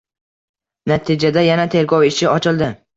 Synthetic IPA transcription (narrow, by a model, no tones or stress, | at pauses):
nat̪ʰɪd͡ʒad̪ajanat̪ʰe̞ɾɡɒwɪʃɪɒt͡ʃʰɪlˠd̪ɪ